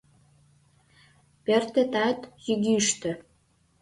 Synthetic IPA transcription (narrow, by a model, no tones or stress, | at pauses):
pert̪et̪at̪jyɡʲiʃt̪ɘ̆